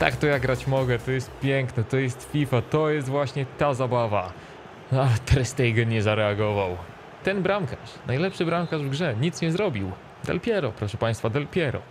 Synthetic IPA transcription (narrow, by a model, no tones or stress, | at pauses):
t̪a̰kt̪ɔjaɡɾat͡ɕmɔɡɛt̪ɔjɛst̪̚pʲjɛŋknɛt̪ɔjɛst̪fʲifat̪ɔjɛst̪vwaɕɲɛt̪azabava | at̪ɾɛst̪ɛjɡɛɲɛzaɾɛaɡɔvaw | t̪ɛnbɾamkaʂnajlɛpʂɘbɾamkaʐvɡʐɛɲit̪sɲɛzɾɔbʲiw | d̪ɛ̰lpʲjɛɾɔpɾɔʂɛpaj̃st̪fad̪ɛlpʲjɛɾɔ̰